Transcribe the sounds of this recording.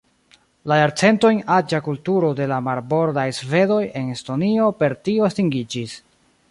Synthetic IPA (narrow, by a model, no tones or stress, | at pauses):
lajaɾt͡se̞nto̞jnad͡ʒakultuɾo̞de̞lamaɾbo̞ɾdajsve̞do̞je̞nesto̞nio̞pe̞ɾtioastiŋɡid͡ʒis